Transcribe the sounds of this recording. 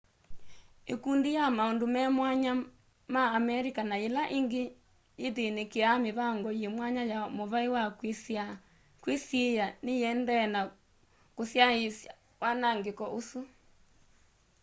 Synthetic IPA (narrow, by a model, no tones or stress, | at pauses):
ḛkundijamaondomɛmwaɲa | maːmɛɾikanaelaʔiŋɡe | jeðenekeameβaŋɡɔjemwaɲajamoβaiwaksa | kwisjejanejɛndɛna | kosjaesa | wanaŋɡekɔʔosu